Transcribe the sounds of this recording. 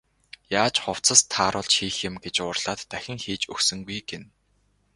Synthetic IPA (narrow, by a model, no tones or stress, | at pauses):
jaːt͡ɕχʊw̥t͡sə̆st̪ʰːaːɾʊ̆ɮt͡ɕxiːxɪ̆mɡet͡ɕʊːrɮ̥aːt̪ːæxʲɪ̆ŋxiːt͡ɕɵksɵ̆ŋɡujɡen